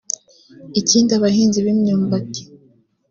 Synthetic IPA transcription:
iciːndiaβaɦiːnziβimɲuːmbake̥

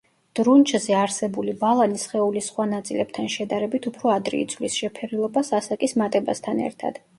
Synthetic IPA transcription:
d̪̥ɾunt͡ʃʰʼzɛaɾsɛbulibalˠanisχɛulisχwanat̪sʼilɛb̚t̪ʰanʃɛd̪aɾɛbit̪ʰupʰɾɔad̪ɾḭːd̪sʰvlisʃɛpʰɛɾilˠɔbasasakʼismat̪ʼɛbast̪ʰanɛ̰ɾt̪ʰa̰d̪̥

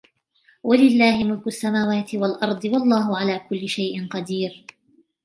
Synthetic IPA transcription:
wʔalɪlːaːhɪmʊlkʊʔasːamaːwaːt̪ɪwalʔɑɾˤd̪ˤɨwɑlˤːɑːɦʊʕalaːkʊlːɪʃajʔɪnqɑd̪iːɾ

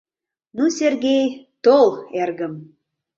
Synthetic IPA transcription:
nusʲerɡʲejt̪olˠerɡə̆m

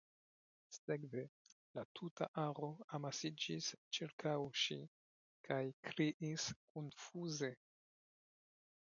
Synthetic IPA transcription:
seɡve̞ | latʰutaʔaɾo̞amasid͡ʒist͡ʃiɾkʰawʃi | kʰajkɾiʔiskonfuze̞

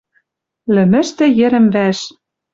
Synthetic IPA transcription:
lɘ̆mɘ̆ʃt̪ɘ̆jɘ̆ɾɘ̆mvæʃ

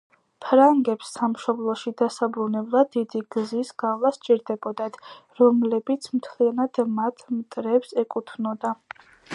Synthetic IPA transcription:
pʰɾaŋɡɛpsːamʃɔblˠɔʃid̪asabɾunɛblˠad̪id̪iɡ̥zisɡavlˠast͡ʃʼiɾd̪ɛbɔd̪at̪ʰɾɔmlɛbit̪sʰmt̪ʰlianad̪̥mat̪ʰmt̪ʼɾɛpsɛkʼut̪ʰnɔd̪a

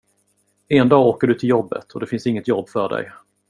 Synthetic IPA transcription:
end̪ɑːoːkəɖɵt̪ʰɪljɔbːə̰t̪ʰɔd̪ɛfɪnsɪŋːət̪jɔbːfœɖɛ̰j

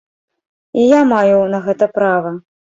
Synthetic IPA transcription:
ijamajunɐɣɛt̪ɐpɾavɐ

